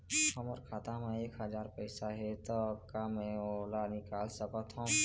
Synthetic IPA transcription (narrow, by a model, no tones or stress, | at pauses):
həmɔːɾkʰaːt̪amẽeːkɦəd͡ʒaːɾpəɪsaɦɛt̪ɔkamɛ̃oːlanɪkaːlsəkət̪ɦũ